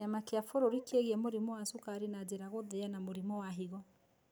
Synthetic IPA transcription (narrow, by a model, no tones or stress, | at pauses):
amakeafoɾoɾikeɣiɛmoɾimɔwasukaɾinad͡ʑeɾaɣoðeanamoɾimɔwaɦiɣɔ